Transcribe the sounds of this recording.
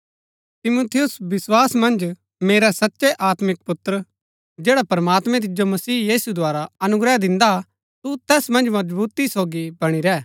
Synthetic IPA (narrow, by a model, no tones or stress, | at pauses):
t̪ɪmuːt̪ʰɪjʊsʋɪswaːsmɐ̃nd͡ʒ | meːɾɛsɐtːʃeʔaːt̪mɪk̚pʊt̪ɾə | d͡ʒeːɽapɾɐmaːt̪mɛ̃t̪̬ɪd͡ʒomɐsiːjiːsud̪ʊaːɾaɐnʊɡɾɛd̪ɪ̃nd̪a | t̪ut̪ɛːsmɐ̃nd͡ʒmɐd͡ʒbuːt̪isoːɡibɐɽ̃iɾɛː